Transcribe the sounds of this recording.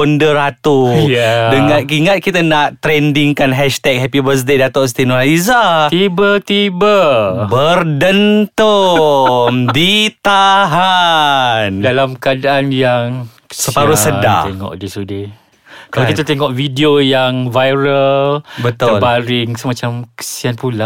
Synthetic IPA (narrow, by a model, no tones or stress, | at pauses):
ɔndərat̪ujdəŋãt̪̚kiŋat̪̚kit̪anaʔt̪ɾɛndiŋkanɦɛʃt̪ɛk̚ɦɛpibəs̬dedat̪ɔʔst̪inɔlaizat̪ibət̪ibəbərdənt̪o | mdit̪aɦa | ndalamkəadaʔanjaŋ | səpaɾusəda̰eŋɔ̰ʔdisude | kalakit̪at̪eŋɔʔvidiojaŋvajɾəlbət̪ʊəlbaɾɪŋsəmãt͡ʃamkə̥sianpula